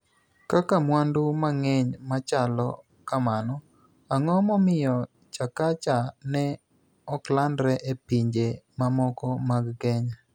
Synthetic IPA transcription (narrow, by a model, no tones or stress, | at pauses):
kakamwandʊmaŋeɲmat͡ʃalɔ̰ | kamanɔ | aŋɔmɔmɪjɔ | t͡ʃakat͡ʃanɛ | ɔklandɾɛʔepiɲd͡ʒemamɔkɔmaɡɡɛɲa